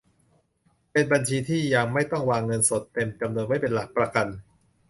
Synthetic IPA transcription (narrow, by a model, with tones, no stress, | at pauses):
pe˧nba˧nt͡ɕʰiː˧t̪ʰiː˥˩jaː˧ŋma˥˩jt̪ɔ˥˩ŋwaː˧ŋːɤ˧nso˨˩˦t̪ːe˧mt͡ɕa˧mnu˧ənwa˥˩jpe˧nla˨˩k̚pɾa˧ka˧n